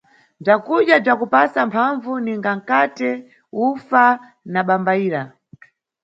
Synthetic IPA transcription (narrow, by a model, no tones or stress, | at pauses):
b͡ʐakuɗjab͡ʐakupasampʰaɱvuniŋɡaŋ̩katɛ | ufa | naɓambaiːɾa